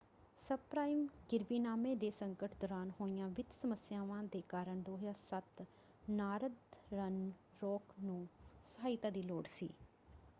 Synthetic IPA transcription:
səpɾaːimɡɪɾbiːnaːmẽːd̪eːsəŋkəʈd̪ɔːɾaːnhoːɪjãːʋɪd̪səməsjaːʋãːd̪eːkaːɾəɳd̪oːɦjaːsət̪ | naːɾəd̪ɾən | ɾɔːknũːsɦaːɪt̪aːd̪iːloːɽsḭː

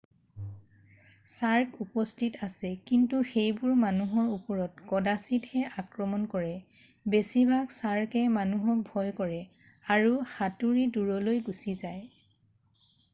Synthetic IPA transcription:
saɹkupɔstʰitasɛkintuxejbʊɹmanuɦɔɹupɔɹɔtkɔdasithɛakɹɔmɔnkɔɹɛ | besibʱaksaɹkɛmanuɦɔk̚bʱɔjkɔɹɛ | aɹuxatuɹiduɹɔlojɡusizaj

